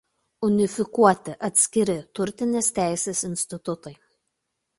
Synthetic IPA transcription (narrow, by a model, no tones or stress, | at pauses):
ʊnʲɪfʲɪkuɔt̪ʲɪʔɐt̪ʲsʲkʲɪɾʲɪt̪ʊɾʲt̪ʲɪnʲeːst̪ʲæˑɪsʲeːsɪnʲsʲt̪ʲɪt̪ʊt̪ɐɪ